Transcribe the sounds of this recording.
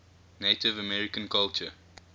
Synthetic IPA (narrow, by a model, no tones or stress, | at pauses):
neɪtɪvəmɛɹɪkə̃nkalt͡ʃə̰